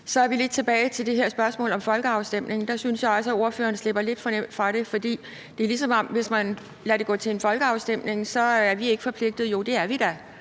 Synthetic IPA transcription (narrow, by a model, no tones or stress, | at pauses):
sɒ̽æɐʋile̝d̥̚t͡sʰe̝b̥ɛːɪt͡sʰe̝ld̥e̝ɦeɐ̰sb̥ɶɐsmɔ̰ːlɒ̽mfɒ̽lɡ̥əɑ̈ʊsd̥em̰ne̝ŋn̩d̥ɑ̈synsjɑ̈ɒ̽lsəæo̝ɐfø̰ːɐnsle̝b̥ɐle̝d̥fɒ̽nem̰d̥fʁɑ̈ɾ̥e̝fɒ̽d̥ḭː | d̥e̝lis̬ɒ̽mɒ̽mʋe̝smæn | læɾe̝ɡɔ̰̽ːt͡sʰe̝e̝nfɒ̽lɡ̥əɑ̈ʊsd̥em̰ne̝ŋsɒ̽æɐʋie̝ɡ̥ə̥fɒ̽pʰle̝ɡ̥̚d̥ð̞̩ˠjo̝d̥e̝æɐʋid̥æ